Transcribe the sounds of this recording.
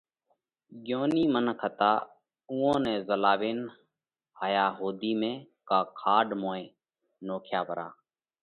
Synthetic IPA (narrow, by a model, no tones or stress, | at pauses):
ɠjoːniːmənkʰət̪aː | uːõːnɛ̃ːzəlaːʋeːn | ɦaːjaːɦoːd̪iːmẽː | kaːkʰaːɖmõːẽː | noːkʰjaːbʱəɾa̰ː